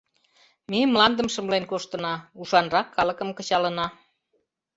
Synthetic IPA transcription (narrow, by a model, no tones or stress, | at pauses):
memlɑnd̪əmʃəmlenkoʃt̪ə̆nɑuʃɑnrɑkʰːɑlə̆kəmkə̆t͡ɕɑlənɑ